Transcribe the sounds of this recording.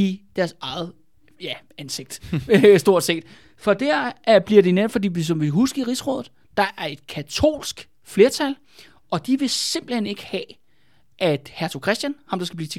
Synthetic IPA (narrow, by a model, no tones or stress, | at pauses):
id̥æɐsɑ̈ɪð̩ˠ | jæ | ænse̝ɡ̥̚d̥sd̥o̝ɐ̰d̥se̝̰ːd̥ | fɒ̽d̥æɐ̰ʔæb̥liɐdeneb̥fɒ̽dḭːʋis̬ɒ̽mʋiɦusɡ̥əiʁisʁɔ̽ːð̩ˠ | d̥ɑ̈ʔæɐe̝d̥̚kʰæt͡sʰo̝̰ːlsɡ̥ | fle̝ːɐt͡sʰæl | ʔɒ̽d̥iʋe̝se̝m̰b̥l̩hene̝ɡ̥əhɛ | ʔæd̥hæɐt͡sʰokʰʁɛsd̥jænhɑ̈md̥ɑ̈sɡ̥æbliːt͡sʰe